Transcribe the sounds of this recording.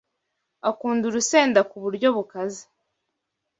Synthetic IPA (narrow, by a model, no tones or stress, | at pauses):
akuːnduɾuse̞ːndakuβuɾɟo̞βukazi̥